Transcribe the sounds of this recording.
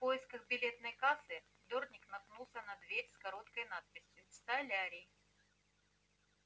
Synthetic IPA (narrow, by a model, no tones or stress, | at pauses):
fpo̞jɪskəɣbʲɪlʲe̞t̪nəjkasɨ | d̪ornʲɪknɐpnulˠsʲənɐd̪vʲeɾʲskɐɾo̞t̪kəjnat̪̚pʲɪsʲjʊst̪ɐlʲaɾʲɪj